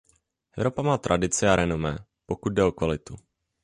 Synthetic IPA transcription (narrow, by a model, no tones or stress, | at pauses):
ʔɛvɾo̞pamaːt̪ɾʔadɪt͡sɪaɾɛnomɛː | pokut̪̚dɛo̞kvalɪt̪u